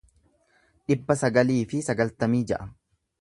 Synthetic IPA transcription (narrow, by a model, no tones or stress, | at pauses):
ᶑɪbːɐsɐɡɐliːfɪsɐɡɐlt̪ɐmiːd͡ʒɛʔɐm